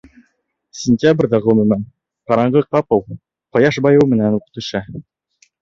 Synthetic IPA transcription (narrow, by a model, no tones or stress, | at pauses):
sʲɪnʲtʲabrʲd̪ɑʁɵmɵ̆mæn | qɑɾɑɴɢɤqɑpɤw | qɑ̆jɑʃbɑjɤwmɘ̆nænuqɤ̥̆t̪ɵ̆ʃæ